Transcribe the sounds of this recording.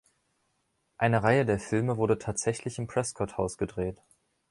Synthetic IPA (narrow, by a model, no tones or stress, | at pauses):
ʔaɪnəʁaɪədeːɐfɪlməvʊɐdətʰaːtz̥ɛçlɪçɪmpʁ̥ɛskʰɔthaʊsɡ̥ədʁeːt